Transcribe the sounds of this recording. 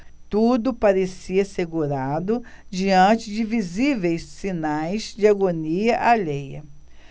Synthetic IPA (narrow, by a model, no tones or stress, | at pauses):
t̪ud̪ʊpaɾesiɐseɡuɾad̪ʊd͡ʒiɐ̃t͡ʃɪd͡ʒɪvizivejssinajzd͡ʒɪaɡoniɐʔalejɐ̰